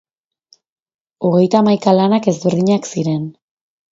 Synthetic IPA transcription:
o̞ɣ̞e̞jt̪aːmajkalanake̞zβeɾðiɲaksiɾe̞n

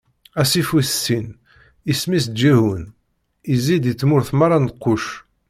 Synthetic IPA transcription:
æsifiθsːin | ismis̬d̪d͡ʒæɦun | izid̪it͡sːmʊɾθmaɾˤɑnqːʊʃ

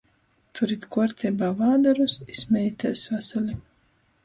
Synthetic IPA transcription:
t̪ʰuɾit̪ʲkɔɔɾt̪ʲɛbaːvaːd̪aɾusismʲɛjit̪ʲasvasalʲi

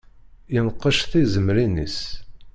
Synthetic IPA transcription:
jənqːəʃθizəmɾinḭs

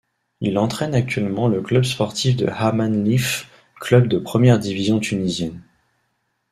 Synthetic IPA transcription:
ilɑ̃t̪χɛnak̚t̪ɥɛlmɑ̃ləklœbspɔʁt̪ifd̪ə̰hamanlif | klœbd̪əpχəmjɛʁd̪ivizjɔ̃t̪ʰynizjɛn

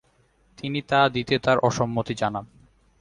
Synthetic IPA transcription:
t̪init̪ad̪it̪et̪aɾʔɔʃomːot̪id͡ʑanan

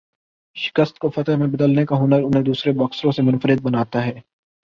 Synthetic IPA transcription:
ʃɪ̥kəst̪kofɐt̪əɦmẽbəd̪əlnekaɦʊnəɾʊnɦẽd̪uːsɾebɔksɾõsemʊnfəɾɪd̪̚bənaːt̪aɦɛː

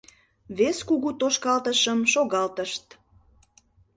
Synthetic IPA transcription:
βeskuɣut̪oʃkɑlt̪əʃəmʃoɣɑlt̪əʃt̪

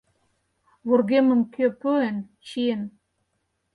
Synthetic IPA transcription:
βorɣemə̆mkøpøent͡ɕien

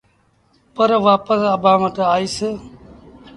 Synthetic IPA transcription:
pəɾʋaːpəsəbʱãːʋəʈaːiːsɪ

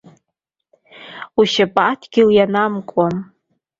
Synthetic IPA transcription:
uʃapʼatʰɡʲɪljanamkʷʼam

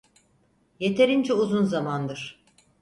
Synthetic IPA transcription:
je̞t̪ʰe̞ɾind͡ʒɛuzunzamand̪ɯɾ̥

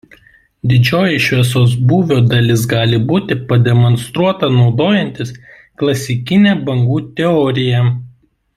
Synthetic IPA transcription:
d̪ʲɪd͡ʒʲoːjɛʃʲʋʲiɛsoːs̬buːʋʲoːd̪ɐlʲɪs̬ɡɑːlʲɪbuːt̪ʲɪpɐd̪ʲɛmɔnst̪ɾuɔt̪ɐnɒʊd̪oːjɛnʲt̪ʲɪs | klˠɐsʲɪkʲɪnʲæːbɐŋɡuːt̪ʲɛɔɾʲɪjɛ

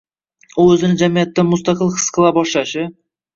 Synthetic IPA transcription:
uɵzɪnɪd͡ʒæmijæt̪ːanmʊst̪ɑqəlˠqʰɨ̥sqʰəlˠɑbɒʃlɑʃɪ

